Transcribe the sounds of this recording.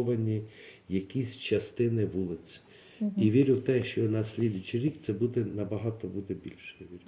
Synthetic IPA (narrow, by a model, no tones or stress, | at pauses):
ʋɐnʲi | jɐkʲisʲt͡ʃɐst̪ɪnɪʋulˠɪsʲɪ̥ | iʋʲiɾʲʊwt̪ɛʃt͡ʃɔnɐsʲlʲid̪ʊjʊt͡ʃiɾʲikt̪sɛbud̪ɛnɐbɐɦɑt̪ɔbud̪ɛbʲilʲʃɛjʋʲiɾʲ